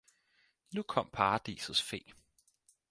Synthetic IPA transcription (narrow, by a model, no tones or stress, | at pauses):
nukʰɒ̽m̰pʰɑ̈ːd̥ḭːsəsfe̝̰ː